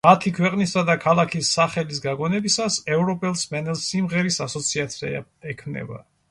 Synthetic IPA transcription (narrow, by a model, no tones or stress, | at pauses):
mat̪ʰikʰwɛqʼnisad̪akʰalˠakʰisːaχɛlis̬ɡaɡɔnɛbisasɛvɾɔpʼɛlˠsmɛnɛlˠsimʁɛɾisasɔt̪sʰiat̪sʰia̰ɛkʰmnɛ̰ba̰